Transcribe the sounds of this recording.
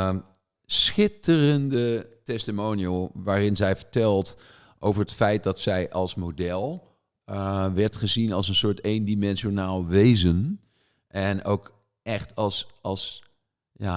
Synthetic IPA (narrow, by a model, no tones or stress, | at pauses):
sχɪtərəndətɛstimowniəlˠʋaːrɪnzɛjvəɹtɛlˠt | ʔowvərətfɛjt̚dɑtsɛjʔɑlˠsmodɛlˠ | ʋɛɹtχəzinɑlˠs̬ənsʊːɹtendimɛnʃonaːlˠʋejzən | ʔɛno̰wk | ʔɛχtɑlˠsɑlˠs | ja